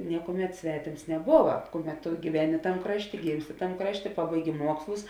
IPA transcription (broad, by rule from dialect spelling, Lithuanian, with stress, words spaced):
ˈnʲiɛkuɔˌmʲɛt ˈsʲʋʲæːtʲeːms nʲɛˈboːʋɐ ˈkʊˌmʲɛt tʊ ɡʲiːˈʋʲæːnʲɪ ˈtɐm ˈkrɑːʃʲˌtʲeː ˈɡʲiːmʲsʲˌtʲɪ ˈtɐm ˈkrɑːʃʲˌtʲeː ˈpɑːbɐɪˌɡʲɪ ˈmuɔkslˠʊs